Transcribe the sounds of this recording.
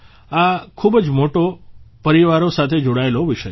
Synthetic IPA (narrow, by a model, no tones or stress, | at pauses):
akʰubd͡ʒmoʈopəɾiʋaɾosat̪ʰed͡ʒoɽaeloʋiʃə